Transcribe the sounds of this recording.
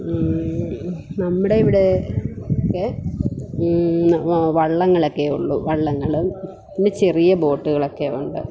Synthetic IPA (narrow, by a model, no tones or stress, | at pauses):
nɐmːuɽe̞iʋiɽe̞okːe | ʋɐɭːɐŋːɐɭokːeuɭːṵʋɐɭːɐŋːɐɭum | indet͡ɕerijɐbo̞ːʈːuɣɐɭokːe̞uɳɖɨ̰